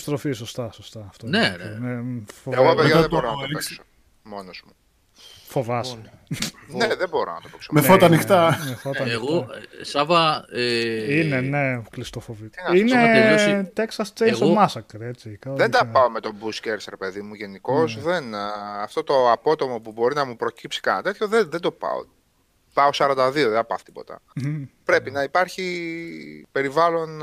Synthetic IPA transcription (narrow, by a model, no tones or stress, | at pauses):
st̪ɾo̞fisost̪ɐsost̪ɐːft̪onenefoeɣopeðɐɐeb̪oɾonɐopeso | mo̞nozmu | fo̞vɐs | neðebo̞ɾo̰nɐt̪opeksomefot̪ɐnixt̪ɐmeθot̪ɐnɣosɐvɐ | ineneklist̪ofovininet̪e̞ksɐst͡sesomɐsɐkeɾet͡sikɐðend̪ɐpɐo̞met̪o̞busceɾsɾe̞pe̞ðimuʝe̞niko̞zðenɐft̪o̞t̪o̞ɐpo̞t̪o̞mo̞pubo̞ɾinɐmupɾo̞cipsi̥kɐnɐt̪e̞t̪ço̞ðeðend̪o̞pɐ̰o̰ | pɐosɐɾɐnd̪ɐðioðed̪ɐpɐ̰θt̪i̥po̞t̪ɐ̰pɾe̞pinɐipɐɾçi | pe̞ɾivɐlo̞n